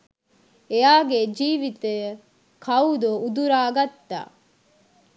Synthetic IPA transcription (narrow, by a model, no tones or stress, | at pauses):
ejaːɡed͡ʒiːʋit̪e | kʰɐud̪oud̪uɾaːɡɐt̪ːa̰ː